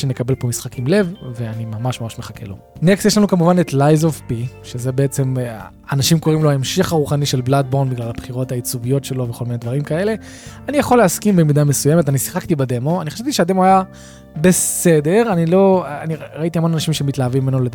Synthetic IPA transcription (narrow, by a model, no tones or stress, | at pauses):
ʃenekabe̞lpo̞misχakimle̞vve̞animamaʃmamaʃmeχake̞̰lo̞̰ | neksteʃlanukamuvanetlajzovpiʃezebeet͡se̞m | anaʃimko̞ʁimloaemʃiχaʁuχaniʃe̞lblad̚boʁnbiɡlalabχiʁo̞thait͡suvijo̞tʃe̞lo̞vexo̞lminedvaʁimkae̞le̞ | anijaχo̞leaskimbemid̪ame̞sujemetanisi̥χakt̪ibade̞mo̞aniχaʃavt̪iʃeade̞moaja | be̞se̞de̞ʁanilo̞aniʁait̪iamo̞nanaʃimʃemitlaːvimːenoled